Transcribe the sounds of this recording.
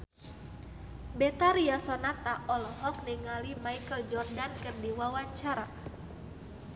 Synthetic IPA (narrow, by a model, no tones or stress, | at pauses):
bɛt̪aɾiasɔnat̪aʔɔlɔɦɔk̚niŋalimaikəld͡ʒɔrdankɨrdiwawaɲt͡ʃaɾa